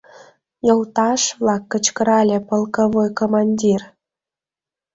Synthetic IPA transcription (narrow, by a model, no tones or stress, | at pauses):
jolt̪ɑʃβlɑkːət͡ɕkəɾɑlʲepəlkoβojkomɑnʲdʲir